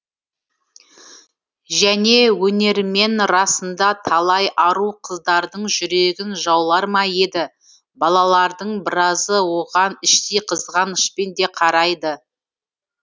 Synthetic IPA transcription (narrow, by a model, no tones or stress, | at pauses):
ʒæne̞wɵne̞ɾme̞nɾɑsənd̪ɑt̪ʰɑlˠɑjʔɑɾuqʰəzd̪ɑɾd̪əɴʒʏɾe̞ɡʲɪnʒɑwlˠɑɾmɑje̞d̪ɪ | bɑlˠɑlˠɑɾd̪əɴbɪɾɑzəwo̞ʁɑnɪʃt̪ejqʰəzʁɑnɪʃpend̪e̞qʰɑɾɑjd̪ə